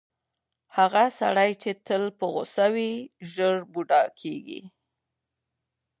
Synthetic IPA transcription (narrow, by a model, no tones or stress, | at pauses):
haɣasa̰ɽajt͡ʃet̪əlpəɣʊ̰sawiʒəɾbuɖɑkʰeɡḭ